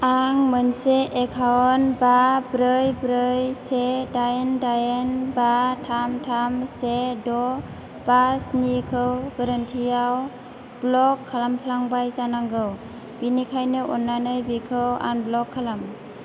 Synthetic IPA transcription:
aŋmɯnseʔːkʰawɔnbabɾɯjbɾɯjsedajndajenbatʰamtʰamsedɔ | b̥asnikʰɯwɡəɾəntʰijaw | blɔkʰːalampʰlaŋbajzanaŋɡɯw | b̥inikʰajnɯʔɔnːanɯjbikʰɯwa̰nblɔkʰːalam

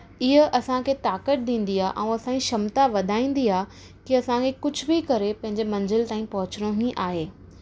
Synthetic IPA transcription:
ɪɦəʔɐsãkʰet̪aːkəʈ̚d̪ĩːn̆d̪iaːʔɛ̃ũɐsãĩʃɐmt̪aʋɐd̪ʱaːĩːn̆d̪iaː | kiɐsãkʰekʊd͡ʑʱbikɐɾepɐ̃ɦɪ̃ɲd͡ʑemɐ̃ɲd͡ʑɪlt̪aːĩpɐɦʊt͡ɕɽ̃oɦĩʔaːɦeː

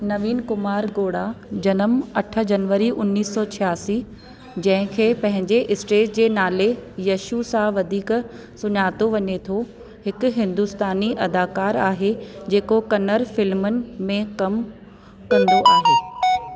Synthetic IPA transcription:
nɐʋiːnkʊmaːɾɡoːɽad͡ʑɐnəmɐʈʰə̆d͡ʑɐnʋəɾiʔʊnːiːsːɔːt͡ɕʰijaːsi | d͡ʑɐ̃ɦɪ̃kʰeːpɐ̃ɦɪ̃ɲd͡ʑeʔɪsʈeːd͡ʑd͡ʑeːnaːlejɐʃusãʋɐd̪ʱiːk | sʊɲaːt̪oʋɐɲet̪ʰo | hɪkʊ̆ɦɪ̃nd̪ʊst̪aːniʔɐd̪aːkaːɾaːɦed͡ʑeːkokɐnəɾfɪlmʊnɪ̆mẽkɐm | kɐ̃nd̪oʔaːɦeː

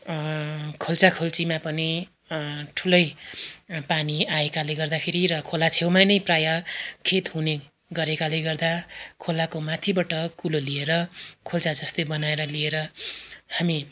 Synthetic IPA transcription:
kʰolt͡sakʰolt͡simapʌni | ʈʰulʌj | paniaekaleɡʌrd̪akʰeɾiɾʌkʰolat͡sʰewmanʌjprajʌkʰet̪ɦune | ɡʌɾekaleɡʌrd̪akʰolakomat̪ʰibaʈʌkulolieɾʌkʰolt͡sad͡zʌst̪ebʌnaeɾʌlieɾʌhami

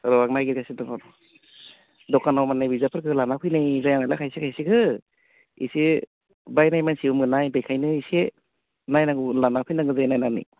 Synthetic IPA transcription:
sɾɔwak̚najɡiɾkʰasidɔŋadɔ | dɔkanawmanajbizapʰɯɾkʰɯlanapʰɯjnajzajanajlakʰajsikʰajsikʰɯ | ḭse | bajnajmansiumɯnajbajkʰajnɯise | najnaɡulanapʰɯjnaŋɡɯzajnajnanḭ

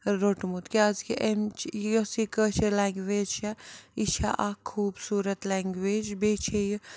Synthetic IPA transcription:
ɾoʈmut̪kiazkiʔemt͡ʃʰjosikət͡ʃʰelaŋɡʋeːd͡ʒt͡ʃʰait͡ʃʰaʔakʰːuːbsuːɾət̪laŋɡʋeːd͡ʒbet͡ʃʰej

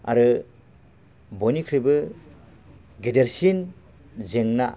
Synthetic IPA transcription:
a̰ɾɯ | bonikʰɾibɯ | ɡedeɾsin | zeŋna

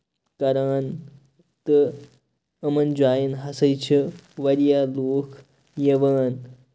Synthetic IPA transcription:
kɐɾaːn | t̪ɨ | ɐmɐnd͡ʒaːjinɦɐsəjt͡ʃʰiʋɐɾijaːloːkʰ | jeʋaːn

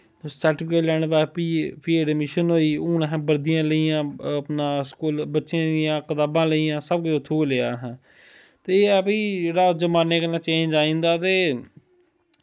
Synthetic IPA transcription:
səɾʈɪpʰkeːʈlɛːɳʋɛːpiːpʰiːɖmɪʃənɦoːiːuːnɦɛ̃ːbəɾd̪ɪjãːləijãːpnãːskuːlbətːʃjãːd̪ɪjãːkət̪aːbãːləiːãːsəbkʊt͡ʃʊt̪ʰːoːleːaːɦɛ̃ː | t̪eːəpiːd͡ʒeːɽaːd͡ʒəmaːneːkənaːt͡ʃẽːnd͡ʒaːĩːnd̪aːt̪eː

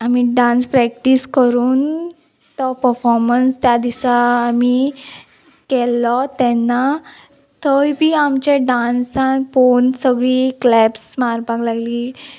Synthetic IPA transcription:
amiɖãnspɾɛk̚ʈiskəɾuːn | t̪ɔpəɾfɔɾmənst̪jad̪isaːmi | kɛlɔt̪ɛnːa | t̪ʰəjbʱiːamt͡ɕeɖãnsanfonsəɡɭiːklɛpsmaɾpaɡlaɡliː

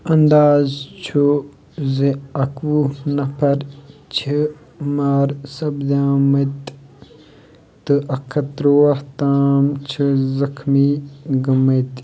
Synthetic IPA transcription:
ɐnd̪aːzt͡ʃʰu | zeɐkʋunɐpʰɐɾt͡ʃʰi | maːɾsɐbd̪aːmɐt̪ | ɨʔɐkʰɐt̪ɾoɐht̪aːmt͡ʃʰizɐkʰmiɡɐmɐjt̪

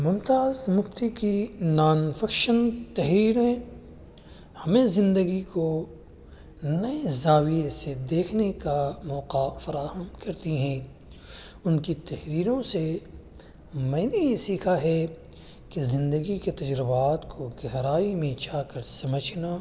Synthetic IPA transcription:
mʊ̃mt̪aːzmʊft̪ikinaːnfɐkʃənt̪ɐɦɾiːɾẽ | hɐmẽzɪ̃nd̪əɡiko | nɐezaːʋijesed̪eːkʰnekamɔːqafɐɾaːɦəmkɐɾt̪iɦɛ̃ː | ʊnkit̪ɐhɾiːɾõse | mɐːnejesiːkʰaɦɛ | kezɪ̃nd̪əɡiket̪ɐd͡ʒɾɪbaːt̪kʰoɡɐɦɾaːimẽt͡ʃaːkɐɾsɐməd͡ʒnaː

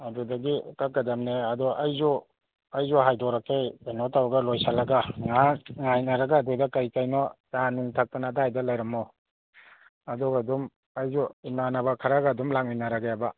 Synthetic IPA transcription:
adɔdaɡikakːadamneɐdɔʔɐjzɔ | ɐjzɔɦajdɔɾakejkajnɔtawaɡalɔjsalaɡaŋaŋajnaɾaɡaːdɔdakajkajnɔtanuŋtʰak̚tanadajdalajɾamaw | ɐdɔɡadum | ɐjzɔimanabakʰaɾaɡadumlaŋminaɾaɡajaba

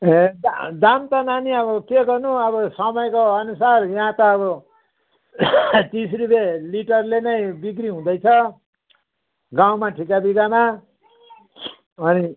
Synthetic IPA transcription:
ɦẽd̪ad̪amt̪ʌnaniʌbʌkeɡʌrnuʌbʌsʌmʌjkoʌnusarjʌɦãt̪ʌːβʌ | t̪isrubeliʈʌrlenʌj̃bikɾiɦũd̪ʌjt͡sʰʌ | ɡaw̃maʈʰikabiɡama | ʌni

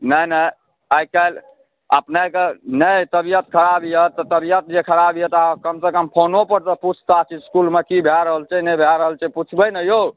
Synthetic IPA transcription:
nəjnə | ajkal | ə̰pnakenət̪əbijət̪̚kʰəɾabijət̪ːɔt̪əbijət̪̚d͡ʒekʰəɾabijət̪ɦkəmsekəmpʰonopəɾt̪ɔput͡ʃʰt̪at͡ʃʰiskulmekibʱjaɾəɦəlt͡ʃʰɛnəbʱaɾəɦəlt͡ʃʰɛput͡ʃʰbənəjo

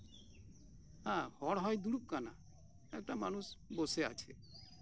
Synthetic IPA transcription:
ahɔɽɦɔjd̪uɽup̚kana̰ | ɛk̚ʈamanusboseat͡ʃʰḛ

